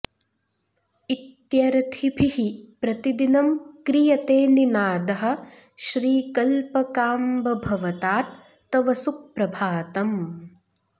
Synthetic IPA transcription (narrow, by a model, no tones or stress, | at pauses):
it̪jɐɾɐt̪ʰibʱihipɾɐt̪id̪inɐmkɾijɐt̪eːninaːd̪ɐɦɐ̆ | ʃɾiːkɐlpɐkaːmbɐbʱɐʋɐt̪aːt̪̚ː | ɐʋɐsuk̚pɾɐbʱaːt̪ɐm